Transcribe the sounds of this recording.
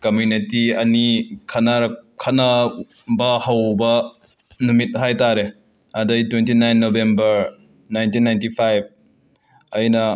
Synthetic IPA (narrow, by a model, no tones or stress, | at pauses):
kɐmjunitiɐnikʰɐnaɾɐkʰɐna | bɐhɐwbɐ | numit̚ɦajtaɾe | ɐdɐjtwentinajnːobembɐɾ | najntinːajntipʰajb̚ | ɐjnɐ